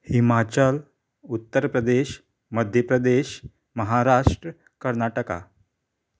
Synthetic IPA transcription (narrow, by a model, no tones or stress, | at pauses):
himat͡ɕəl | ut̪ːəɾpɾəd̪eɕ | məd̪ʱjəpɾəd̪eɕ | məɦaɾaʂʈɾə | kəɾnaʈəka̰